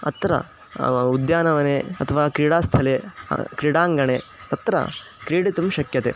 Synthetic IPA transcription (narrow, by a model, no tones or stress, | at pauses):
ɐ̰t̪ɾɐ̰ | ud̪jaːnɐʋɐneɐt̪ʰɐʋaːkɾiɽaːst̪ʰɐlḛkɾiɽaːŋɡɐɳet̪ɐt̪ɾɐ̰ | kɾiːɽit̪umʃɐkjɐt̪ḛ